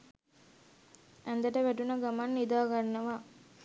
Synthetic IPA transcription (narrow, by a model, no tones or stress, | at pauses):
ʔɛnd̪ɐʈəʋæʈunɐɡɐmanːid̪aːɡanːɐʋaː